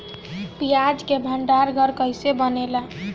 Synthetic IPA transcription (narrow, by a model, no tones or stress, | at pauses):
bijad͡ʒkebʱəɳɖaɾɡʱəɾkəjsebənela